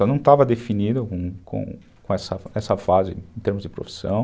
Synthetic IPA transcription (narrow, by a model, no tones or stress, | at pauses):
anɐ̃w̃t̪avɐd̪efinid̪ʊkõkõ̰ | kõɛsɐɛsɐfazɪ̰ẽt̪eɾmʊzd͡ʒɪpɾo̰fi̥sɐ̰̃w̃